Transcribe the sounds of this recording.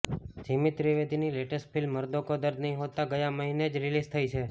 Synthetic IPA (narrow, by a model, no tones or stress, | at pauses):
d͡ʒimit̪ɾiʋed̪ʱinileʈəsʈ̚pʰilmːəɾd̪okod̪əɾd̪nəɦĩɦot̪aɡəjãməɦined͡ʒɾilizt̪ʰəit͡ʃʰe